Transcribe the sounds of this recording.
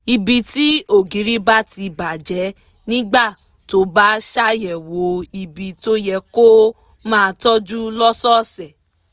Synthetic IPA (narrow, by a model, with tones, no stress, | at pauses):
i˧bi˨ti˦o˦˨ɡĩ˨˦ɾi˦ba˦ti˧ba˨d͡ʒɛ˨˦ | nĩ˦ɡ͡ba˦˨ | to˦ba˦ʃa˦jɛ˨wo˨˧˦i˧˨bi˨to˦jɛ˧ko˦ | mãː˦˨˧tɔ˦d͡ʒu˦lɔ˦sɔ˦˨sɛ˨